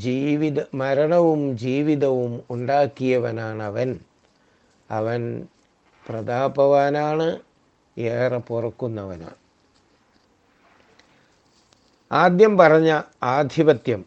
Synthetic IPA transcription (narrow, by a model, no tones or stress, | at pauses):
d͡ʑiːʋiðɐmɐɾɐɳɐʋumd͡ʑiːʋiðɐʋumuɳɖaːkːijɐʋɐnaːɳɐʋɐn | ɐʋɐn | prɐd̪aːbɐʋaːnaːɳɨ | eːrɐpurɐkːunːɐʋɐ̰na̰ːɳɨ | aːd̪jɐmpɐrɐɲːɐaːd̪ʱibɐt̪jɐm